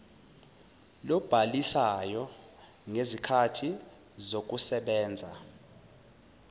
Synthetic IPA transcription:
lɔb̥ʱalisajɔ | ŋezikʰatʰi | zok̬usɛɓɛːnd͡zʱa

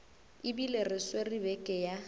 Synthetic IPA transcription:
ɪbilerɪsweribɛkʼɛja

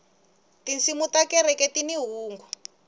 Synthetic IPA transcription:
tint͡simutakɛɾɛkɛtiniɦuːŋɡɔ

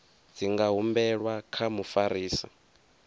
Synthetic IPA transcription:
d͡ziŋɡaɦumbɛɺwakʰamufaɾiːsa̰

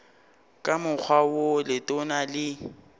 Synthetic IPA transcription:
kʼamʊk͡xʰwawolɪtʼʊnalɪ

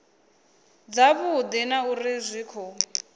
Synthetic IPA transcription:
d͡zaβud̪inaurizʷiːkʰɔ

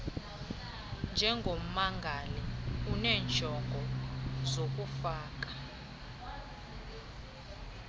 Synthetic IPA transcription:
nd͡ʒʱɛŋɡʱom̩maŋɡʱaliunɛːnt͡ʃʰʼɔŋɡʱɔzok̬ufaːk̬ʼḁ

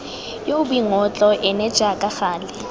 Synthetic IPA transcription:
jobiŋɔt͡ɬʼɔʔɪnɛ̥d͡ʒ̥akʼaxaːlɪ

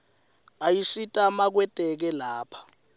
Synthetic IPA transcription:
ajisitʼamak̬wɛtʼɛk̬ɛlaːpʰḁ

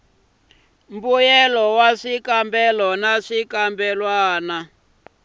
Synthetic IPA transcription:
mbujɛlɔwaʂikambɛlɔnaʂikambɛlwaːna

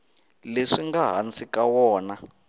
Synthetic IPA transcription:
leʂiŋɡaɦa̰nt͡sikawɔːna

